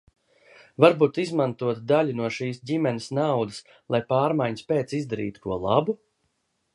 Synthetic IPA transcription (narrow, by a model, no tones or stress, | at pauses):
vaɾbuːt̪izmant̪uɔt̪d̪alʲunuɔʃiːsɟʲimɛnʲɪsnawd̪əs | lˠajpaːɾmajɲspʲeːt̪sizd̪aɾḭːt̪u̥kuɔlˠabu